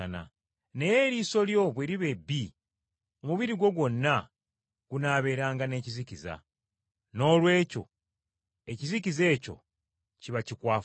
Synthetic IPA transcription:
ana̰ | nejeɾiso̞ljo̞βweɾiβe̞bːi | omuβiɾiɡo̞ɡwo̞nːa | ɡ̥unaːβe̞ːɾaːŋɡane̞ːcizikiza̰ | no̞ːlwe̞ːco̞̰ | e̞cizikize̞ːco̞̰ | ciβacikwaː

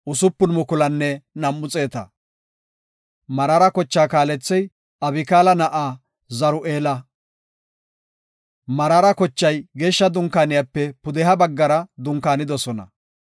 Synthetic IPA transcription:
ʔʊsʊpːʊnmʊkʊlɐnːɛnɐmːʊt͡sʼe̞ːt̪ɐ̰ | mɐɾaːɾɐkɔt͡ʃːaːkaːlɛt͡sːɛj | ɐbɪkaːlɐnɐʔaː | zɐɾʊʔeːlɐ | mɐɾaɾɐkɔt͡ʃːɐjɡeːʃːɐd̪ʊŋkaːnɪjapːɛpʊd̪ɛɦɐbɐɡːɐɾɐd̪ʊŋkaːnɪd̪ɔsɔnɐ̰

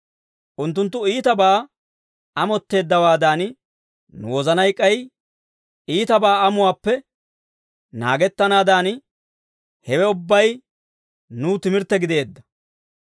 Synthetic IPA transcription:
ʔʊnt̪ːʊnt̪ːʊiːt̪ɐbaː | ɐmɔt̪ːe̞ːd̪ːɐwaːd̪aːn | nʊ̰wɔzɐnɐjkʼːɐj | iːt̪ɐbaːɐmʊwaːpːɛ | na̰ːɡɛt̪ːɐnaːd̪aːn | hɛwɛʊbːɐj | nuːt̪ɪmɪɾt̪ːɛɡɪd̪e̞ːd̪ːɐ̥

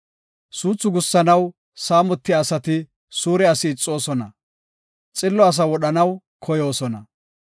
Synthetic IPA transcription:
suːt͡sːʊɡʊsːɐnɐw | saːmɔt̪ːɪaːsɐt̪ɪ | suːɾɛɐsɪːt͡sʼːo̞ːsɔnɐ̰ | t͡sʼɪlːɔɐs̬ɐwɔɗɐnɐw | kʰɔjo̞ːsɔnɐ

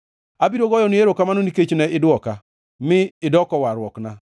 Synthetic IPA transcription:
abiɾoɡɔjɔneɾokamanoniket͡ʃnɛʔɪdʊɔka | mɪːdɔkɔwaɾwɔkna

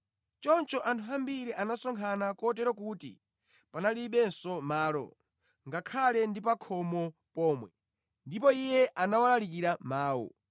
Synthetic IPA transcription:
t͡ʃɔnt͡ʃɔʔantʰuambiɾiʔanasɔŋkʰanakɔtɛɾɔk̬utḭ | panaliɓɛnsɔmaːlɔ̰ | ŋɡakʰalɛndipakʰɔmɔpɔːmwɛ | ndipɔijɛʔanawalalik̬iɾamaːwɔ̰

